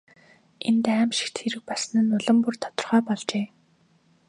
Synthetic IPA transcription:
ḛnt̪æːmʃĭ̥kt̪xeɾɘ̆k̚pas̆nɘ̆nːʊɮə̆mpurt̪ʰɔ̥t̪ɞ̆rχœːpɔɮt͡ɕeː

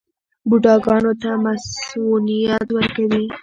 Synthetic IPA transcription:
buɖɑɡɑnot̪amasunijat̪wəɾkawi

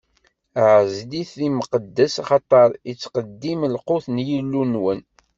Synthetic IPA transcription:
ʕzliθliməqəd̪ːəsaχɑt̪ˤɑɾˤit͡sːqəd̪ːimlqʊθnjəlːunwən

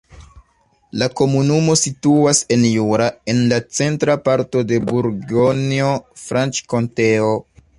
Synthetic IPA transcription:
lako̞munumo̞situase̞njuɾae̞nlat͡se̞ntɾapaɾto̞de̞buɾɡonio̞fɾant͡ʃko̞nte̞o

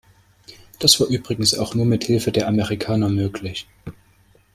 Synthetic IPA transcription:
d̥asv̥aːɐʔyːbʁɪɡŋ̩sa̰ʊxnuːɐmɪthɪlfədeːɐʔamɛʁikʰaːnɐmøːkʰlɪç

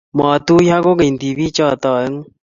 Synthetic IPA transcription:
maːt̪uːjaːkoɡɐind̪iːbiːt͡ɕaːt̪aːeŋ

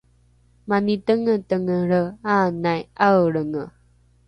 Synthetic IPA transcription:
manitəŋətəŋəɭəanajʔawɭəŋə

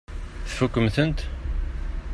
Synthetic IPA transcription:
θfukːəmθənt̪

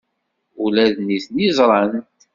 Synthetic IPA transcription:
ulæðniθnizˤɾˤɑn

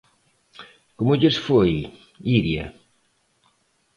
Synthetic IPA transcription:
komʊʎesfoj | iɾjɐ̰

